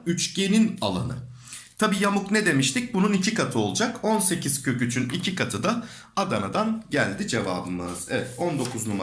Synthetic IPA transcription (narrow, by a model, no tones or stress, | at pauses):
yt͡ʃɟe̞ninalˠa̰nɯ̰ | t̪ʰabiːjamukned̪e̞miʃt̪ʰic̚bununicʰikat̪ʰɯo̞lˠud͡ʒako̞nse̞cʰiz̥cʰø̞cyt͡ʃʰynicʰikat̪ʰɯd̪a | ad̪anad̪anɟælʲd̪id͡ʒe̞va̰ːbɯmɯ̰z̥ɛvɛt̪ond̪o̞kʰuznum